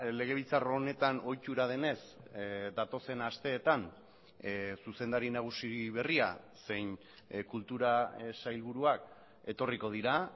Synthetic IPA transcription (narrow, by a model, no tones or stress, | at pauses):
le̞ɣ̞e̞β̞ilt͡saro̞ne̞t̪ano̞jt͡ʃ̪uɾað̞e̞ne̞sd̪at̪o̞se̞nast̪e̞ːt̪an | suse̞nd̪aɾinaɣ̞usiβ̞e̞ria | se̞jn | kult̪uɾasajlβ̞uɾuak | e̞t̪o̞riko̞ð̞iɾa